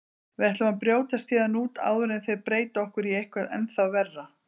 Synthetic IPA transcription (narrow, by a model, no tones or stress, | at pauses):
vɪðɛht̪laanpɾjoːwt̪ast̪jɛːðanuːt̪a̰ːwðʏɾɛnθejðpɾeːjt̪ɔhkʏɾiejhkʰvɛɾɛ̰nθawvɛrːa